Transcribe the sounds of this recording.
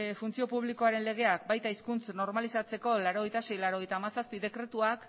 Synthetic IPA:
funt͡sio̞puβ̞liko̞aɾe̞nle̞ɣ̞e̞ak̚bajt̪aiskunt͡sno̞ɾmalisat͡se̞ko̞laɾo̞ɣ̞e̞jt̪ase̞jlaɾo̞ɣe̞jt̪aːmasaspiðe̞kɾe̞t̪uak

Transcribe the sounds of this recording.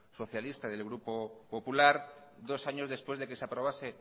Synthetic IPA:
so̞θjalist̪aðe̞lɣ̞ɾupo̞po̞pulaɾ | d̪o̞saɲo̞zðe̞spwezðe̞ke̞seapɾo̞β̞ase̞

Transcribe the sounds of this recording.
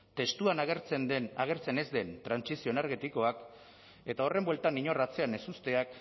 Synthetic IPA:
t̪e̞st̪uanaɣɾt͡sennaɣ̞e̞ɾt͡se̞ne̞zd̪e̞nt̪ɾansisio̞naɾɣet̪iko̞ak | e̞t̪ao̞re̞mbwelt̪aniɲo̞rat͡se̞ane̞sust̪e̞ak

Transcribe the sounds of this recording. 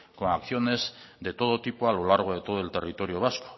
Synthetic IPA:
koakθio̞ne̞zd̪e̞t̪o̞ð̞o̞t̪ipoalo̞laɾɣ̞o̞ðe̞t̪oðo̞e̞lt̪e̞rit̪o̞ɾio̞β̞asko̥

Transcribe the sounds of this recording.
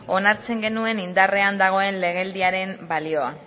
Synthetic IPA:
o̞naɾt͡se̞ŋɡe̞nue̞nind̪are̞and̪aɣ̞o̞e̞nle̞ɣ̞e̞ld̪iaɾe̞mbalio̞a

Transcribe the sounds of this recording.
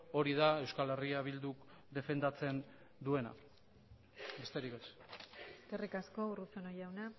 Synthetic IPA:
o̞ɾiðae̞wskale̞riaβ̞ild̪uk | d̪e̞fe̞nd̪at͡se̞n | d̪ue̞na̰ | be̞st̪e̞ɾikeseskerikasko̞urusonojawna

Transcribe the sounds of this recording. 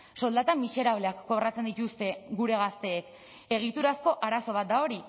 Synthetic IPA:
so̞ld̪at̪amise̞ɾaβ̞leakːo̞βrat͡se̞nd̪it̪ust̪e̞ɡuɾe̞ɣ̞ast̪e̞ːk | e̞ɣ̞it̪uɾasko̞ʔaɾaso̞β̞at̪̚d̪ao̞ɾi

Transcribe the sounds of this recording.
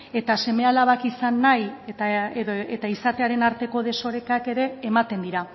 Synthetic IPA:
e̞t̪ase̞me̞alaβakisanːajteet̪aisat̪e̞aɾe̞naɾt̪e̞ko̞ð̞e̞so̞ɾe̞kake̞ɾe̞ːmat̪e̞nd̪iɾa

